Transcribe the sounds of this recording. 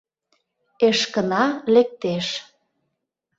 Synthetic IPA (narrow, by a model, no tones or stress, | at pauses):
eʃkənɑlek̚t̪eʃ